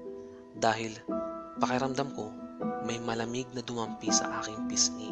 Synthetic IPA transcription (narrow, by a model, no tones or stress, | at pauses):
d̪aːhɪlpɐkɪɾɐmd̪ɐmko̞mɐjmɐlɐmiɡ̚nɐd̪ʊmɐmpisɐ̰ʔaːkɪŋpɪskḭ